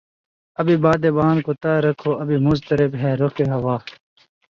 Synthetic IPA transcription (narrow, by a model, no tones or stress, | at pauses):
ɐbibaːd̪ebaːnkot̪ɐɾɐkʰoɐbimʊzt̪ɐɾɪbɦɛːɾokeɦɐwaː